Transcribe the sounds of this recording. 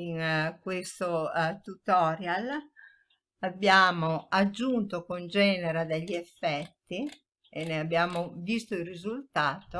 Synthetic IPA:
inkwest̪ot̪ut̪ɔːɾjal | abːjaːmoad͡ʒːunt̪okond͡ʒɛːneɾad̪eʎːiɛfːɛt̪ːi | eneabːjaːmovist̪oilrːizult̪aːt̪o

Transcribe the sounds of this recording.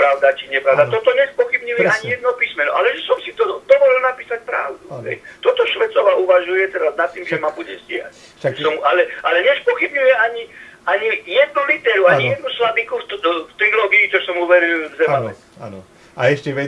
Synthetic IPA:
pɾaʊd̪at͡ʃiɲɛpɾad̪at̪ɔt̪ɔɲɛspɔxibɲujɛaɲijɛd̪nɔpiːsmɛnɔʔa̰lɛʒɛsɔmsit̪ɔd̪ɔʋɔlilnapiːsac̚pɾa̰ʊd̪uɦɛ̰jt̪ɔt̪ɔʃʋɛt͡sɔʋaʔuʋaʒujɛt̪ɛɾaznat̪ːiːmʒɛmabuɟɛzɟɛɦa̰ | ʒɛsɔmualɛalɛɲɛspɔxibɲujɛaɲi | aɲijɛd̪nulit̪ɛːɾuaɲijɛd̪̚nuslabikufft̪ɾilɔːɡiːt͡ʃɔsɔmuʋɛɾilvzɛmanɛ | n | aɛʃcɛʋɛ

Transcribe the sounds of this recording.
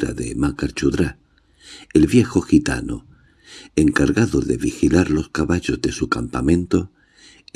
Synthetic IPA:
ɾa̰ðe̞makaɾt͡ʃuðɾa | elβje̞xoxit̪a̰no | e̞ŋkaɾɣaðoðe̞̰βixilaɾlo̞skaβaʎo̞zðe̞sukampamẽ̞nt̪o̞

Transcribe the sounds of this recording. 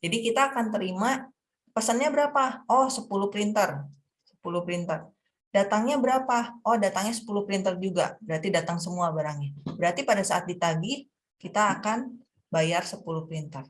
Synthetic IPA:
d͡ʒadikit̪aːkant̪əɾima | pasanɲabəɾapaɔhsəpuluhpɾint̪ər | sə̥pulupɾint̪ər | dat̪aŋɲabəɾapaɔhdat̪aŋɲasə̥pulʊhpɾint̪ərd͡ʒuɡa̰bəɾart̪idat̪aŋsəmuabaɾaŋɲabəɾart̪ipadasaʔat̪̚dit̪aɡi | kit̪aːkan | bajarsəpuluhpɾint̪ər

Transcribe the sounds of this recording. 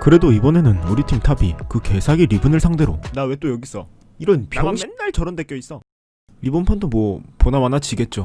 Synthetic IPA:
kɯɾe̞doibʌne̞nɯnuɾitʰimtʰabikɯke̞sʰaɡiɾibɯnɯɭsʰaŋde̞ɾo̰nawe̞t͈ojʌɡis͈ʰʌ | iɾʌnpjʌŋɕinnːaɭt͡ɕʌɾʌndek͈jʌis͈ʌ | ɾibɯnpʰʌndomwʌponamanat͡ɕiɡe̞t̚t͡ɕ͈o

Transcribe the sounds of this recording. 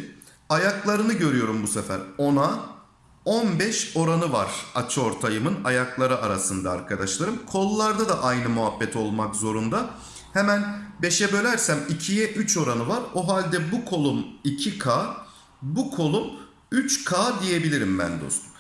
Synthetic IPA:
ajaklˠaɾɯnɯɟø̞ɾyjo̞ɾumbusefæ̰ɾo̞na | onbɛʃo̞ɾanɯvaɾ̥at͡ʃʰɯo̞ɾt̪ʰajɯmɯnajaklˠaɾɯʔaɾasɯnd̪a̰ːɾkʰad̪aʃlˠaɾɯmkʰo̞lːˠaɾd̪ad̪aʔajnɯmuɦabːɛt̪ʰo̞lˠmakzo̞ɾund̪a | hɛmænbe̞ʃɛbø̞lʲæɾsæmicʰijɛʔyt͡ʃʰo̞ɾanɯvaɾo̞ɦalʲd̪ɛbukʰo̞lˠumicʰikʰa | bukʰo̞lˠum | yt͡ʃkʰaːd̪ije̞bilʲiɾimbæ̰nd̪o̞̰st̪ʰu̥m

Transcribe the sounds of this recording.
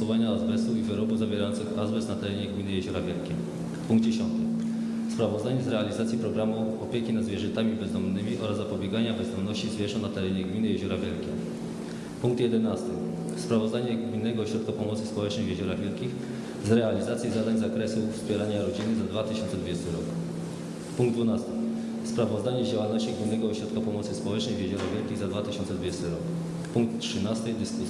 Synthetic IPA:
ɔvaɲaazbɛsuivɘɾɔbuzavʲjɛɾajɔnt̪sɘxazbɛsnat̪ɛɾɛɲɛɡmʲinɘjɛʑɔɾavʲjɛlkʲɛ̰m | puŋɡ̚d̪d͡ʑeɕɔnt̪ɘ | spɾavɔzd̪aɲɛzɾɛalʲizat̪sʲipɾɔɡɾamuɔpʲjekʲinad̪zvʲjɛʐɛnt̪amʲibɛzd̪ɔmnɘmʲiʔɔɾazːapɔbʲjɛɡaɲabɛzd̪ɔmnɔɕt͡ɕizvʲjɛʐɔ̃w̃nat̪ɛɾɛɲɛɡmʲinɘjɛʑɔɾavʲjɛlkʲɛ̰m | puŋk̚t̪jɛd̪ɛnast̪ɘ | spɾavɔzd̪aɲɛɡmʲinːɛɡɔːɕɾɔt̪̚kapɔmɔt̪sɘ̥spɔwɛt͡ʂnɛjvʲjɛʑɔɾavʲjɛlkʲix | zɾɛalʲizat̪sʲjizad̪aɲzakɾɛsufspʲjɛɾaɲaɾɔd͡ʑinɘzad̪vat̪ɘɕɔ̃nt̪sɛd̪vud͡ʑɛst̪ɘɾɔk | puŋɡd̪vunast̪ɘ̥ | spɾavɔzd̪aɲɛd͡ʑawalnɔɕt͡ɕiɡmʲinːɛɡɔːɕɾɔt̪kapɔmɔt̪sɘspɔwɛt͡ʂnɛjvʲjɛʑɔɾavʲɛlkʲiɣzad̪vat̪ɘɕɔnt̪sɛd̪vud͡ʑɛst̪ɘɾɔk | puŋk̚t̪tʂɘnast̪ɘd̪ɘsku

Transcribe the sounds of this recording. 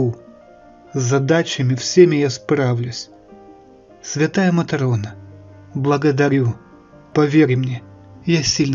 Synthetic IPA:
u | zzɐd̪at͡ɕɪmʲɪfsʲemʲɪjaspɾavlʲʊsʲ | sʲvʲɪt̪ajəmɐt̪ɐɾonə | blˠəɡəd̪ɐɾʲu | pɐvʲeɾʲɪmnʲejasʲilʲn

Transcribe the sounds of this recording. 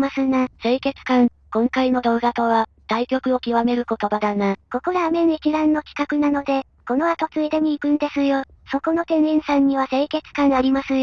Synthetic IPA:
masɨnase̞ːke̞t͡sɨ̥kãŋ | kõ̞ŋkaino̞d̪o̞ːɡat̪o̞βa | d̪̥aikʲo̞kɯ̟o̞kʲiβame̞ɾɯ̟ko̞t̪o̞bad̪anako̞ko̞ɾaːmẽ̞nekʲiɾãnːo̞kʲi̥kakɯ̟nano̞d̪e̞ | ko̞no̞at̪o̞t͡sɨid̪e̞mʲiːkɯ̟̃nd̪e̞sɨjo | so̞ko̞no̞t̪ẽ̞nẽɰ̃sãɲ̟ːiβase̞ːke̞t͡sɨ̥kãŋaɾʲimasɨj

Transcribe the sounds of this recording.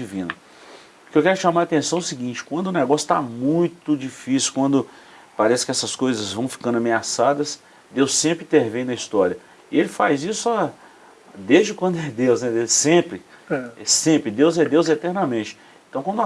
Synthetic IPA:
ivĩnɐ | pʊ̥kewkɛɾʊʃamaɾat̪ẽsɐ̃w̃ʊsiɡĩnt͡ʃɪ̥kwɐ̃nd̪ʊnɛɡɔsjʊ̥t̪a̰mũj̃t̪ʊd͡ʒifisjuʊ̥kwɐ̃nd̪ʊ | paɾɛsɪ̥kɪɛsɐskojzɐzvɐ̃w̃fi̥kɐ̃nd̪ameasad̪ɐs | d̪ewsːẽmpɾɪĩt̪eɾvẽj̃nɐist̪ɔɾiɐ | ɪelɪfajzisʊa | d̪ezd͡ʒɪkwɐ̃nd̪ʊɛd̪ewznɛd̪esẽpɾɪɛsẽpɾɪd̪ewzɛd̪ewzɛt̪ɛɾnɐmẽt͡ʃɪ̥ | ẽt̪ɐ̃w̃kwɐ̃d̪

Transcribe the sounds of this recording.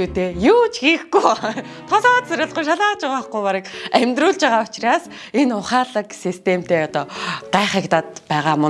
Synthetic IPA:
uːt̪eːjuːt͡ɕxiːxɡuj | t̪ʰɔsɔːt̪sæɾʲə̆ɮʁʊːjʃ̬aɮaːt͡ɕʊʁaχɡujpaɾə̆kæmʲt̪rʊːɮt͡ɕaʁaːʊt͡ɕraːs | enʊχaːɮə̆ksist̪ʰem̥t̪eːɔt̪ɔːɢ̥æːχekt̪aːt̪pæːʁaːmʊ

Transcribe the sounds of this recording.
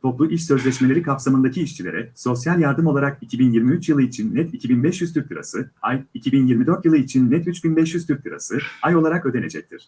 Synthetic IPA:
t̪ʰo̞plˠuʔiʃsø̞zlʲɛʃme̞lʲeɾikʰapsamɯnd̪acʰiːʃt͡ʃʰilʲe̞ɾʔɛso̞sjalʲjaɾd̪ɯmo̞lˠaɾakicʰibinjiɾmiyt͡ʃjɯlˠɯit͡ʃʰinːɛt̪icʰibinbɛʃjyzt̪ʰyɾ̚t̪ʰɯɾa̰sɯajicʰibinjiɾmid̪ø̞ɾt̪jɯlˠɯit͡ʃʰinːɛt̪yt͡ʃɟynbɛʃjyzt̪ʰyɾ̚t̪ʰɯɾa̰sɯajo̞lˠaɾakø̞d̪e̞ned͡ʒɛc̚t̪ʰiɾ̥

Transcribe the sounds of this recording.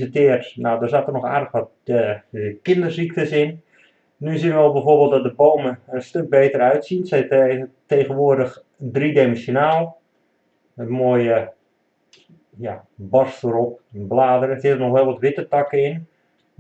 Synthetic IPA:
ətɪərtnawdərzaːtərnɔxa̰ːrdəxʋɔt̚ | kɪndərsik̚təsɪn | nysinʋəɛlˠbɛjfoːrbeːlˠtdɔt̚dəboːməənstøk̚beːtərœɥtsinsɛteːɣənʋoərdəx | dridemənsjonaːlˠ | ənmoːjə | ja | bɔrsfəɾɔp̚ənblaːdəɾəsɪtərnɔxʋɛlˠʋɔtʋɪtətɑkəɪn

